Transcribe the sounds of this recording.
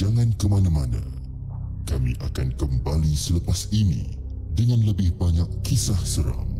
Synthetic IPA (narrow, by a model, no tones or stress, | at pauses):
d͡ʒaŋãnkəmanãmanã̰ | kamḭ̃ʔakankəmbalisələpasinḭ̃ | dəŋãnləbɪhbaɲakːisahsəɾa̰m